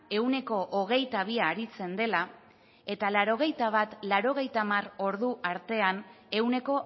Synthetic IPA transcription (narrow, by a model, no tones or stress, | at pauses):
e̞wne̞ko̞ʔoɣ̞e̞jt̪aβ̞iaːɾit͡se̞nd̪e̞la | e̞t̪alaɾo̞ɣ̞e̞jt̪aβ̞at̪laɾo̞ɣ̞e̞jt̪amaro̞ɾðuʔaɾt̪e̞ane̞wne̞ko̞